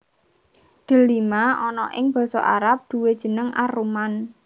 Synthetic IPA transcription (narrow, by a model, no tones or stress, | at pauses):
d̪̥ə̤limaʔɔnɔʔɪŋb̥ɔ̤sɔ̰ʔa̰ɾap̚d̪̥ṳwed̥ʒ̥ə̤nəŋʔaɾuman